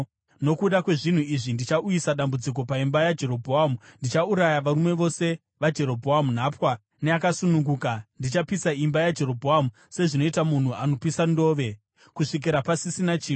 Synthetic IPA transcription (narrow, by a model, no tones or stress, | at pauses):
no̞kuɗakwe̞ʐin̤uiʐindit͡ʃaʔujisaɗambud͡zik̬o̞paimbajad͡ʒe̞ɾo̞bʱoamundit͡ʃauɾajaʋaɾume̞ʋo̞se̞ | ʋad͡ʒe̞ɾo̞bʱoamun̤aːpwa | ne̞akasunuŋɡuːkandit͡ʃapisaimbajad͡ʒe̞ɾo̞bʱoamu | se̞ʐino̞itamun̤uano̞pisando̞ːʋe̞ | kuʂik̬iɾapasisinat͡ʃiːn